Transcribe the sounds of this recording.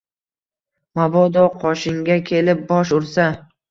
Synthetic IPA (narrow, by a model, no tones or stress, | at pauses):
mabɒd̪ɒqʰɒʃɪŋɡʲakʲʰe̞lɪp̚bɒʃ̬ʊɾsa